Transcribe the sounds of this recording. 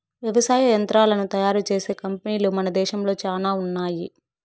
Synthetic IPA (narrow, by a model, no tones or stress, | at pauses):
ʋjɐʋɐsaːjɐjɐnt̪ɾaːlɐnut̪ɐjaːɾut͡ʃe̞ːse̞ːkɐmpɐniːlumɐnɐd̪ɛːʃɐmlo̞ːt͡ʃaːnaːunːaːji